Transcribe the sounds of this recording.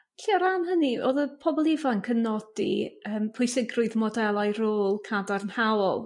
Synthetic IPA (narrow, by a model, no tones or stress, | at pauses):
ɬiːɔɾanɦənio̰ːðəpʰɔbɔlˠɪvankʰənɔdḭəːmpʰʊjsɪɡrʊɨðmɔdɛlˠajroːlˠkʰadarnhawɔlˠ